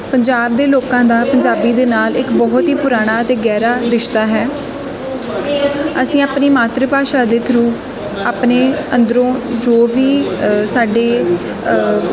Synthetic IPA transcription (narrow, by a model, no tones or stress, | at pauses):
pəɲd͡ʒaːb̚d̪eːloːkãːd̪aːpəɲd͡ʒaːbiːd̪eːnaːlɪkbɔɦt̪ɦiːpʊɾaːɽ̃aːət̪eːɡɛːɾaːɾɪʃt̪aːɦɛː | əsĩːaːpniːmaːt̪ɾəpaːʃaːd̪eːt̪ʰɾuːp | a̰ːpneːə̃nd̪ɾõːd͡ʒoːʋiːsaːɖeː